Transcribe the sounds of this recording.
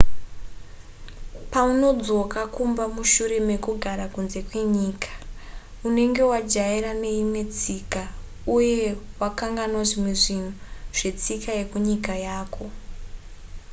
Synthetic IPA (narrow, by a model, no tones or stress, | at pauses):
pauno̞d͡zo̞kakumbamuʃuɾe̞me̞kuɡʱaɾakunze̞kwe̞ɲiːkḁ | une̞ŋɡe̞wad͡ʒaiɾane̞imwe̞t͡sika | uje̞wakaŋɡanwaʐimiʐinoʐ̥e̞t͡sikajekuɲikajaːkʰo̞